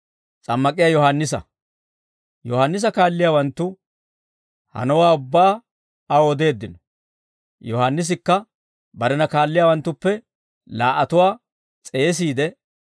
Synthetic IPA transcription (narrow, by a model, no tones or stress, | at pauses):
t͡sʼɐmːɐkʼɪjaːjɔhanːɪsɐ̰ | jɔhanːɪs̬ɐkaːlːɪjaːwɐnt̪ːʊ | hɐ̰nɔwaːʊbːaː | ɐod̪e̞ːd̪ːɪnɔ | jɔhanːɪs̬ɪkːɐ | bɐɾɛnɐkaːlːɪjaːwɐnt̪ːʊpːɛ | laːʔɐt̪ʊwaː | t͡sʼe̞ːs̬iːd̪ɛ